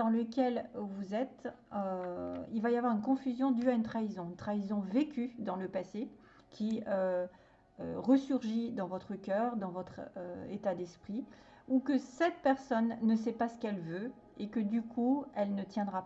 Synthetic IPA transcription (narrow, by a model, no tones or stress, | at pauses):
d̪ɑ̃ləkʲɛlvuzɛt̪øilvajavwaʁynkɔ̃fyzjɔ̃d̪yaynt̪χaizɔ̃ynt̪χaizɔ̃vekʲʰyd̪ɑ̃ləpase | kʲiø | øʁəsyʁʒid̪ɑ̃vɔt̪χəkʲœːʁd̪ɑ̃vɔt̪χøet̪ad̪ɛspχi | ukəsɛt̪̚pɛʁsɔnːəsɛpasə̥kɛlvø | ekəd̪ykʰuɛlnət̪jɛ̃d̪ʁap